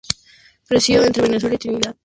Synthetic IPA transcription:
pɾesjoẽnt̪ɾeβeneswelit̪uniðað

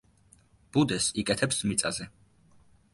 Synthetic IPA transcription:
b̥ud̪ɛsikʼɛt̪ʰɛpsmit̪sʼazɛ

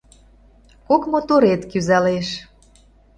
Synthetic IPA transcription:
kokmot̪oɾet̪kyzæleʃ

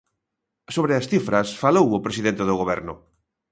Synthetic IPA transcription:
soβɾeasθifɾɐsfalowʊpɾesiðẽnt̪eðʊɣoβɛɾnʊ̰

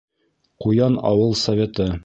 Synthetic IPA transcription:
qujɑnɑ̰wɤlˠsɐvʲet̪ɤ

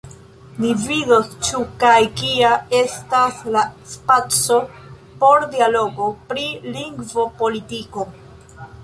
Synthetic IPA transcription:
mividost͡ʃukajkiae̞staslaspat͡so̞ | po̞ɾdialo̞ɡo̞pɾiliŋɡvo̞po̞litiko̞

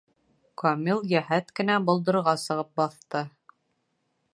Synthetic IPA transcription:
komʲilˠjæɦæt̪kɘ̆næbŏlˠd̪ɤ̆ɾɾʁɑsɤ̆ʁɤp̚bɑθt̪ɤ

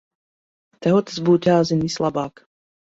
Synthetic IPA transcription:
t̪ɛɦot̪zbutʲaːzɪnislabaːk

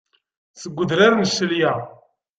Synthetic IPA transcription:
θəɡʷːəðɾaɾnsəlja

